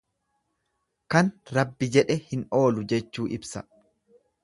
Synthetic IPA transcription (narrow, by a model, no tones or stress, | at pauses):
kɐnɾɐbːɪd͡ʒɛᶑɛhɪno̞ːlʊd͡ʒɛt͡ʃːuːʔɪbsɐ̰